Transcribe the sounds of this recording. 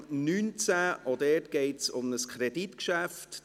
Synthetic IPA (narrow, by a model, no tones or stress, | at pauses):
nyːnt͡sæʔɔdɛːtɡ̥ɛɪtsʊmnəskʰχɾɛd̥itkʃæft